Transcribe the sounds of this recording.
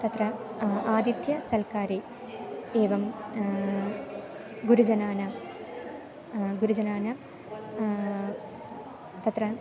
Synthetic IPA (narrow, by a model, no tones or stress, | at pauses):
t̪ɐt̪rɐaːd̪it̪jɐsɐlkaːɾe | eːʋɐm | ɡuɾud͡ʑɐnaːnɐ | ɡuɾud͡ʑɐnaːnɐ | t̪ɐt̪rɐ